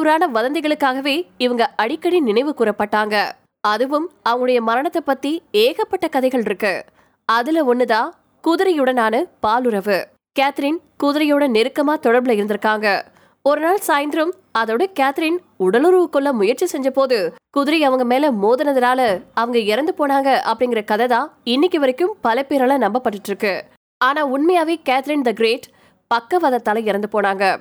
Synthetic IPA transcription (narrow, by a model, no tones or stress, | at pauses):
ɾaːnɐʋɐðɐnd̪ɪɣɐɭɯkːaːɣɐʋeːɪʋɐŋɡɐʔɐɽɪkːɐɽinɪnɐɪʋɯkuːɾɐpːɐʈːaːŋɡɐ | ɐðɯʋɯmɐʋɐŋɡɐɯɽɐjɐmɐɾɐɳɐt̪ːɐpːɐt̪ːieːɣɐpːɐʈːɐkɐðɐɪɣɐɭɪɾɯkːɯ | ɐðɪlɐɔnːɯðaː | kuðɪɾɐjɯɽɐnaːnɐpaːlɯɾɐʋɯ | kaːt̪ɪɾɪnkuːðɪɾɐjoːɽɐnɛɾɯkːɐmaːt̪ɔɽɐɾbɪlɐɪɾɯnd̪ɪɾɯkːaːŋɡɐ | ɔɾɯnaːɭsaːjɪnd̪ɪɾɯm | ɐðoːɽɐkaːt̪ɪɾɪn | ʊɽɐlɯɾuʋɯkːɯɭːɐmʊjɐɾt͡ʃːisɛɲd͡ʒɐpoːðɯkʊðɪɾɐɐʋɐŋɡɐmeːlɐmoːðɐnɐðɐnaːlɐɐʋɐŋɡɐɪɾɐnd̪ɯpoːnaːŋɡɐʔɐpːɐɽɪŋɡɪɾɐkɐðɐðaːɪnːɪkːɯʋɐɾɪkːɯmpɐlɐpeːɾɐːlɐnɐmbɐpːɐʈːɯʈːɾɯkːɯ | aːnaːʊɳmɐjaːʋeːkaːt̪ɪɾɪnd̪ɐɡɾeːʈ | pɐkːɐʋɐðɐt̪ːaːlɐɪɾɐnd̪ɯpoːnaːŋɡɐ